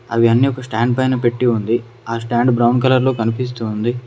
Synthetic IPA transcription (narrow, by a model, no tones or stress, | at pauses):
ɐ̰ʋiɐnːiːɔkɐsʈaːɳɖ̚pɐjnɐpe̞ʈːiund̪i | aːsʈaːɳɖbɾɐwnɖkɐlɐɾlo̞ːkɐnipis̬t̪uːnd̪i